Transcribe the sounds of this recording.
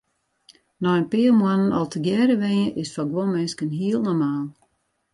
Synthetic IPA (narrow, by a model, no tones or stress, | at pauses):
nɔənpɪərmwanənɔlˠtʰəɡjɛɾəʋɛːəʔɪsfaɡwomɪnskənɦiəlˠnɔrmaːlˠ